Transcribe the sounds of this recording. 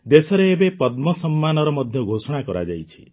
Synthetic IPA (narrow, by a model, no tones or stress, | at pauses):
d̪esɔɾeːbepɔd̪mɔsɔmːanɔɾɔmɔd̪ʱjɔɡʱosɔɽ̃akɔɾa̰d͡ʒa̰jt͡ʃʰi̥